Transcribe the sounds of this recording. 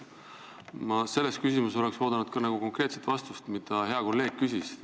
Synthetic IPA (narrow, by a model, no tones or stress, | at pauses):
mɑse̞lːe̞st̪̚kysʲimuso̞le̞kso̞ːd̪ɑnud̪̥̚kɑnɑɡ̥uko̞ŋkɾe̞ːt̪set̪vɑst̪ust̪mid̪̥ɑɦe̞ɑko̞lːe̞ːɡ̥̚kysis